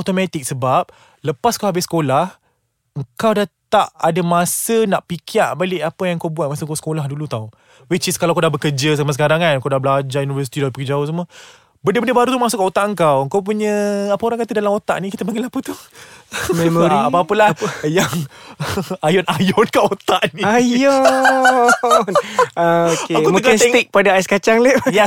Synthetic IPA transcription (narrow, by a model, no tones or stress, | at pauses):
awt̪omat̪ik̚səbap̚ | ləpaskawhabɪsə̥kolah | əŋkawdat̪aʔadamasənaʔpikʰiaʔbalɪʔapəjãŋkawbuwat̪̚masəkasə̥kolahdulut̪aw | wit͡ʃiskalawkawdahbəkəd͡ʒəs̬amas̬əkaɾaŋankawdabəlad͡ʒajunivəs̬i̥t̪idapəkəd͡ʒaʊs̬əmə | bəndəbəndəbaɾut̪umas̬ʊʔkːaʔot̪aʔəŋkawəŋkawp̬uɲəapəoɾãŋkat̪ədalamot̪a̰ʔnĩkit̪əpaŋɡɪlahapət̪u | memoɾiapapəlahjaŋ | ajɔnajɔnkaʔot̪aʔniajɔ | naokeakumũəknsɛŋt̪ik̚padaaskat͡ʃaŋleja